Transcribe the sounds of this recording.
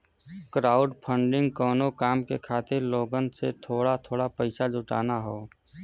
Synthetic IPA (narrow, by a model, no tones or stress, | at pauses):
kɾaːʊɖpʰə̃ɳɖɪ̃ŋɡkɔːnokaːmkekʰaːt̪ɪɾloːɡənset̪ʰoːɽat̪ʰoːɽapəɪsad͡ʒʱʊʈa̰ːnaɦoː